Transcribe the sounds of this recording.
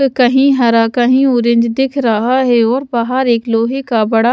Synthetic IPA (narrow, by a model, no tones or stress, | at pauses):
kɐɦĩɦɐɾakɐɦĩʊɾɪ̃ɲd͡ʒd̪ɪkʰɾɐɦaɦɛɔːɾbaɦəɾeːkloːɦekabɐɽa